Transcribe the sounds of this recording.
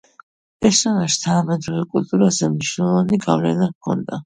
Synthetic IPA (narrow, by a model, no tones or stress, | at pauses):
ɛsanaʃt̪ʰanamɛd̪ɾuvɛkʼult̪ʼuɾazɛmniʃnɛlˠɔvaniɡavlɛ̰nakʰɔ̰nd̪a